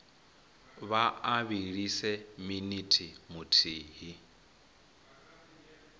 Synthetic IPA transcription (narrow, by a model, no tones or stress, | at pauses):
βaaβiɺisɛminitʰimʊtʰiːɦi